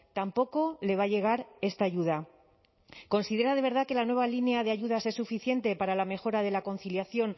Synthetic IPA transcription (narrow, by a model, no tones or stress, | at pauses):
t̪ampo̞ko̞le̞β̞aʝe̞ɣ̞aɾe̞st̪aːʝuð̞a | ko̞nsiðe̞ɾað̞e̞β̞e̞ɾð̞ake̞lanwe̞β̞alineað̞eaʝuð̞ase̞sːufiθje̞nt̪e̞paɾalame̞xo̞ɾað̞e̞lako̞nθiljaθjo̞ŋ